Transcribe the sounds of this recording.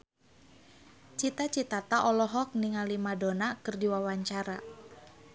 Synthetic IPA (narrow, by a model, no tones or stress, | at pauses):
t͡ʃit̪at͡ʃit̪at̪aʔɔlɔɦɔk̚niŋalimadonakɨrdiwawaɲt͡ʃaɾa